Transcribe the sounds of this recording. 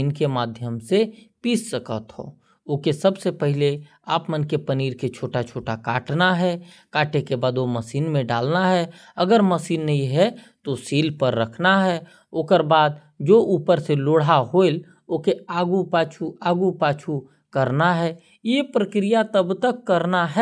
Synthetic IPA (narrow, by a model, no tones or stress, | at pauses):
inkemaːd̪ʱjəmsepiːssəkə̰t̪ɦo̰ː | oːkesəbsepɛɦɪle | aːpmənkepəniːɾket͡ʃʰoːʈat͡ʃʰoːʈakaːʈnaɦɛ | kaːʈekebaːd̪oməsiːnmẽɖa̰ːlnaɦɛ | ɐɡəɾməsiːnːɐɦĩɦɛt̪osiːlpəɾːəkʰnaɦɛ | oːkəɾbaːd̪ | d͡ʒoːʔuːpəɾseloːɽ̤aɦoːɪl | oːkeaːɡupaːt͡ʃʰuaːɡupaːt͡ʃʰu | kəɾnaɦɛː | jepɾəkɾijat̪əbt̪əkːəɾnaɦɛ